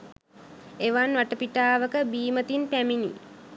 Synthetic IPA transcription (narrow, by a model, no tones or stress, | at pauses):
eʋanʋaʈəpiʈaːʋəkəbiːmət̪int̪æminḭ